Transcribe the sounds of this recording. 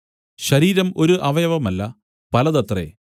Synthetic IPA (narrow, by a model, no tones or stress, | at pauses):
ɕɐɾiːɾɐmo̞ɾuʔɐʋɐjɐʋɐmɐlːɐ | pɐlɐðɐt̪rḛ